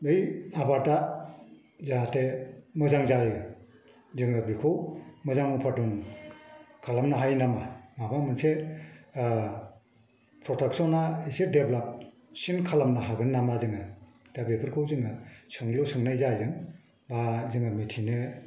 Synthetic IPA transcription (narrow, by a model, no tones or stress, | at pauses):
bɯjabaɾta | zaatʰemɯzaŋzaɾɯjɡɯ | zɯŋɯbikʰowmɯzaŋupʰaduŋ | kʰalamnaɦajnamamabamɯnse | pʰɾɔtʰak̚sɔnaisedeblap̚ | sinkʰalamnaɦaɡɯnːamazɯŋɯ | d̥abepʰɯɾkʰɯwzɯŋɯsɯŋlɯsɯŋnajzajzɯŋ | bazɯŋamitʰinɯ